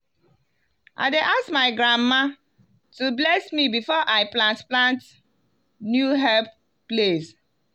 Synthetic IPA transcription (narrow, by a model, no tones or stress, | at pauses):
ʔa̰ɪdeʔaskmaɪɡɹãmma | tublɛsmibifɔʔaɪplãntplãnt | njuɦɛlp̚ | ples